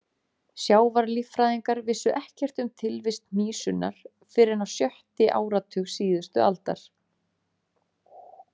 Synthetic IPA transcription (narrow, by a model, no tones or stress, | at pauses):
sjaːwvaɾlifɾaːðiŋkaɾvɪsːʏʔɛhcɛr̥t̪ʏmt̪ʰɪlvɪst̪̚n̥iːsʏna̰ɾ̥ | fɪːɾɪnawsjœht̪ɪʔa̰ːwɾat̪ʰʏxsiːðʏst̪ʏʔalt̪a̰ɾ̥